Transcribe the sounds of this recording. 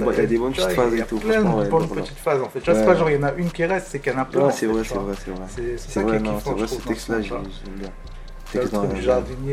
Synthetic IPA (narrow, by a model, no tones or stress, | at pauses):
bɔ̃iljad̪ebɔ̃npətitfazet̪ũɛ̃ɛbɔ̃npət̪i̥t̪fazɑ̃fɛt̪̚t̪yvwasɛpaʒɔ̃ʁjɑ̃naʔynkʲiʁɛst̪sɛkjanɛ̃pøɛ̃sɛvʁɛsɛvʁɛsɛvʁɛsɛsɛ̥sɛvʁɛɛnɔ̃sɛvʁɛsɛt̪ɛkst̪laʒʒɛbjɛ̃ | t̪ɛsd̪̃ʒaʁd̪in